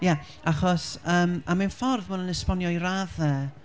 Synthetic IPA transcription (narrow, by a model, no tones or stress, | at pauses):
ja | aχɔsəːmamanfɔrðmʊnənəspɔnjɔiɾaðɛ